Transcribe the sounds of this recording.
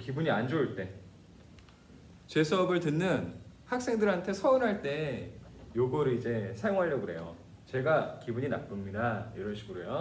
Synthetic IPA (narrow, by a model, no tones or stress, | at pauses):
kibuɲiand͡ʑoɯɭt͈e̞ | t͡ɕe̞sʰʌʌbɯɭtɯnːɯn | hak̚s͈e̞ŋdɯɾɦantʰe̞sʰʌɯnɦaɭt͈e̞ | joɡʌɾɯid͡ʑe̞sʰajoŋɦaʎːʌɡɯɾɦe̞jo | t͡ɕe̞ɡakibuɲinap͈ɯmɲidaiɾʌɭɕʰiɡɯɾojo